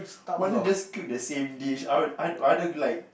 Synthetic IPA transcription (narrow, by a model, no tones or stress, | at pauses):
wãnad͡ʒaskik̚dəsẽmdiʃaʊtaadəlaɪk̚